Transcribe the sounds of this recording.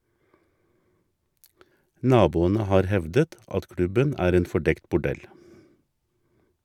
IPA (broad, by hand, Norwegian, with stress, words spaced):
ˈnɑːbuːənə ˈhɑːɾ ˈhɛʋdət ˈɑt ˈkɽʉbən ˈæːɾ ˈeːn fɔˈɖɛkt bʊˈɖɛl